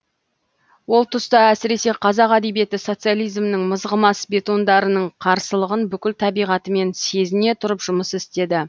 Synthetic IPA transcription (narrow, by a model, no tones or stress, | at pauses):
wo̞lˠt̪ʰʊst̪ɑæsɪɾe̞se̞qʰɑzɑqæd̪e̞bije̞t̪ɪso̞t̪sɨjalˠijzmnɪŋməzʁəmɑsbe̞t̪o̞nd̪ɑɾənəɴqʰɑɾsəlˠəʁənbʏkʲɪlt̪ʰɑbijʁɑt̪əme̞nse̞zɪne̞t̪ʰʊɾəpʒʊməsɪst̪e̞d̪ɪ